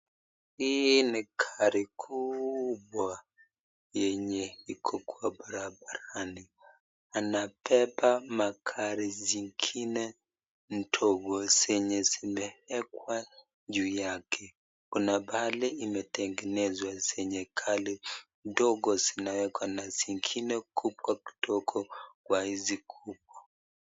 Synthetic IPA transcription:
inikʰaɾikʰubwa | jɛɲɛikʰɔkwabaɾabaɾani | anapʰɛpamakʰaɾiziŋkʰinɛ | n̩tʰɔɡɔsɛɲɛzimɛɛkwa | ʄujakʰɛ | kunabaliimɛtɛŋɡɛnɛzwasɛɲɛkʰalindɔɡɔzinawɛkwanaziŋɡʰinɛkʰubwaki̥tʰɔkʰɔkwahizikʰub̚wɔ

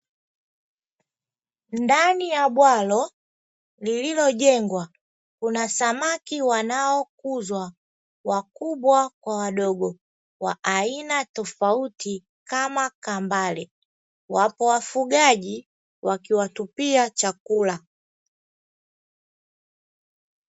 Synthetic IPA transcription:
ndanijabwalɔ | lililɔɟɛŋɡwa | kunasamakiwanaɔkuzwa | wakubwakwawadɔɡɔ | wa̰ʔːinatɔfauti | kamakambalɛ | wapɔwafuɡaɟi | wakiwatupiat͡ʃakula

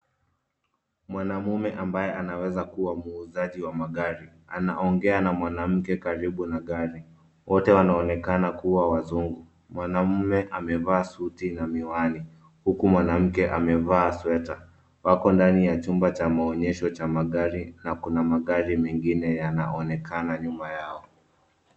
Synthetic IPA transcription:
mwanamumɛʔambajɛʔanawɛzakuwamuːzaʄiwamaɠaɾi | ana̰ʔɔŋɡɛanamwanam̩kɛkaɾiɓunaɠaɾi | wɔtɛwanaɔnɛkanakuwawazuŋɡu | mwanam̩mɛʔamɛvaːsutinamiwani | hukumwanam̩kɛʔa̰mɛvaːswɛta | wakɔndanijat͡ʃumbat͡ʃamaɔɲɛʃɔt͡ʃamaɠaɾinakunamaɠaɾimɛŋɡinɛjana̰ʔɔnɛkʰanaɲumajaɔ

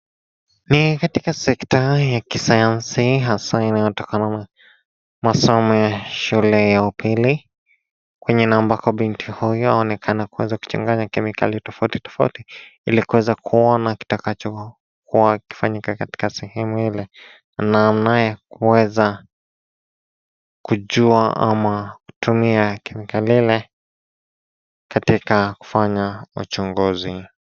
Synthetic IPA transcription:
nikatikasɛktajakisajansiɦasainajɔtɔkanana | masɔmɔjjaʃulɛjaupʰili | kwɛɲɛnambakɔɓintʰihujɔa̰ɔnɛkʰanakuwɛzaku̥t͡ʃa̰ŋɡaɲakɛmika̰litɔfauti̥tɔ̥fa̰utiilikuwɛzakʰuɔnaki̥takat͡ʃɔ | kuwaki̥faɲikakati̥kasɛhɛmuilɛ | nanamnajakuwɛza | kuʄuaʔa̰maku̥tumiakɛmikalilɛ | katikaku̥faɲaut͡ʃɔŋɡuzi

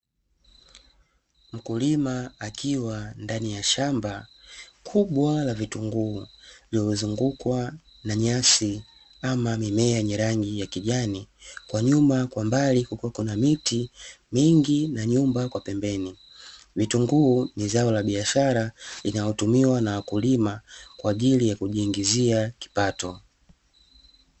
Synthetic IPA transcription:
m̩kulimaːkiwandanijaʃambakʰuɓwalavituŋɡuːliɔuzuŋɡukwa | naɲasi | amamimɛaɲɛɾaŋɡijakiʄanikwaɲumakwambalikukwakunamitimiŋɡinaɲumbakwapɛmbɛni | vituŋɡuːnizaɔlaɓiaʃaɾalinajɔtumiwanawakulimakwaːʄilijakuʄiːŋɡiziaki̥patɔ

